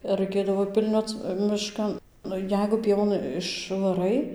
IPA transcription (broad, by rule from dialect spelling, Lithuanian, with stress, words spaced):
ɪr rɐɪˈkʲeːdɐʋoː ˈpʲɪlʲnʲoːt͡s mʲɪˈʃkɐn ˈnʊ ˈjɛɪɡʊ ˈpʲiɛʋoːn ɪʃʋɐˈrɐɪ